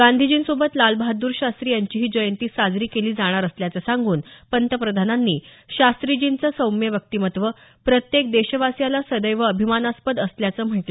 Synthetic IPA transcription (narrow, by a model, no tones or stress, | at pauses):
ɡand̪ʱid͡ʑiːnsobət̪lalbad̪uːɾɕast̪ɾiːjaɲt͡ɕiːɦiːd͡ʑəjənt̪iːsad͡zɾiːkeliːd͡zaɽ̃aɾəsljat͡səsãŋɡuːnpənt̪əpɾəd̪ʱananːiːɕast̪ɾid͡ʑint͡səsəwmjeʋjək̚t̪iːmət̪ʋəpɾət̪jek̚d̪eɕəʋasjalasəd̪əjʋəːbʱimanaspəd̪əsljat͡səːm̤əʈlə